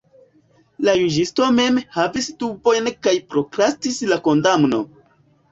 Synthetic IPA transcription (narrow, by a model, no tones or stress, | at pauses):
lajuʒisto̞me̞mhavisdubo̞jnkajpɾo̞kɾastislako̞ndamno̞̰